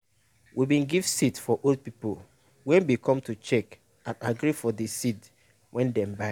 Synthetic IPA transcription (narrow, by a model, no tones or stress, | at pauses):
wʔibĩnɡiv̥sitfɔʔold̚pipol | wɛ̃nbikʰɔ̃mtut͡ʃɛk | ãnaɡɾifɔdisit | wʔɛ̃ndɛ̃mbaɪ